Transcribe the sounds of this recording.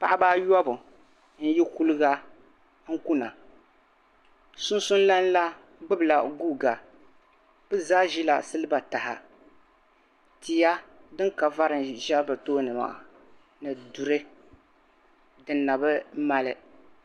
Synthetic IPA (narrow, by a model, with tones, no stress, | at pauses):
pa˨ʔa˦baː˦jɔ˦bʊ˨ | n̩˦ji˦ku˦lɨ˦ɡa˦ | ŋ̩˦ku˦na˨ | sʊ˦n˦sʊ˦n˦la˦n˦la˦ | ɡ͡bɨ˦bɨ˨la˨ɡu˦ɡa˨ | b̥ɨ˦zaː˦ʒi˦la̰˨sɨ˦lɨ˦ba˨ta˨ha̰˨ | ti˨ja˦dɨ˦ŋka˨va˦ɾɨ˨ʒa˦bɨ˨toː˦nɨ˨ma̰˨ʔ | nɨ˨du˨ɾɨ˦ | dɨ˨nːa˨bɨ˦ma˦lɨ˦